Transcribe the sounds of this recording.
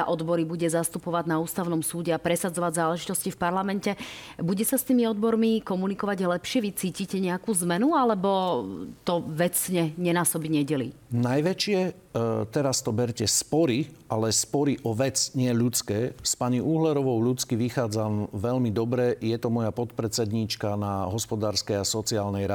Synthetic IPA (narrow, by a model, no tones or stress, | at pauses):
aʔɔd̪bɔɾibuɟɛzast̪upɔʋaɟnauːst̪aʊnɔmsuːɟɛapɾɛsad͡zɔʋaɟzaːlɛʒit̪ɔscifpaɾlamɛncɛbuɟɛsast̪iːmiɔd̪bɔɾmikɔmunikɔʋaɟlɛpʃɪɛʋit͡siːciːcɛɲɛakuːzmɛnualɛbɔt̪ɔʋɛt͡sɲɛɲɛnaːsɔbiɲɛɟɛlḭnajʋɛt͡ʃɪɛ | t̪ɛɾast̪ɔbɛɾcɛspɔɾiʔalɛspɔɾiʔɔʋɛt͡sɲɪɛʎut͡skɛːspaɲiʔuːɦlɛɾɔʋɔʊʎut͡skiʋixaːd͡zamʋɛʎmid̪ɔbɾɛjɛt̪ɔmɔjapɔt̪pɾɛt͡sɛd̪ɲiːt͡ʃkanaɦɔspɔd̪aːɾskɛjasɔt͡siaːlnɛjɾa